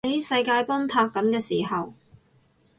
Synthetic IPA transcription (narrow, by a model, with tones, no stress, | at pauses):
e˨˥jsɐ˧jkaː˧jpɔː˥ŋt̪ʰaː˧k̚ːɐ˨˥nkɛː˧siː˨˩hɐ˨w